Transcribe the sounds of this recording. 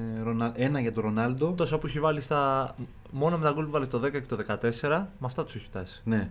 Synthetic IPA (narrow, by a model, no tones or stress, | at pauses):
ɾonɐe̞nɐʝɐt̪oɾo̞nɐld̪o̞t̪o̞sɐpueçivɐlist̪ɐ | mo̞nomet̪ɐɡulvɐlit̪o̞ðe̞kɐce̞t̪oðe̞kɐt̪e̞se̞ɾɐmɐft̪ɐt̪u̥seçi̥pt̪ɐsi̥ne̞